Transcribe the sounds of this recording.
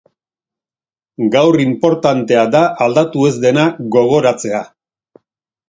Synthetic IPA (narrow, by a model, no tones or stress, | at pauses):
ɡawrimpo̞ɾt̪ant̪e̞ad̪aʔaːld̪at̪ue̞zd̪e̞naɡo̞ɣ̞o̞ɾat͡se̞a